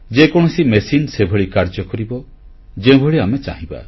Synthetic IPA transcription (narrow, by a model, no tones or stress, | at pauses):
d͡ʒekɔɽ̃ɔsimesinsebʱɔɭikaɾd͡ʒɔkɔɾibɔ | d͡ʒẽbʱɔɭiamet͡ʃa̰ɦĩba̰